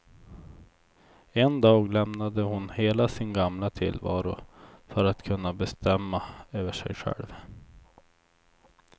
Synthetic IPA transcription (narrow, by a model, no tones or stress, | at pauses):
ɛnd̪ɑːɡlɛmnad̪əhʊnheːlasɪnɡamlat̪ʰɪ̰lvɑ̰ːɾʊfœɾat̪kʰɵnːabɛst̪ɛmːaøːvəʂɛ̰jɧɛ̰lv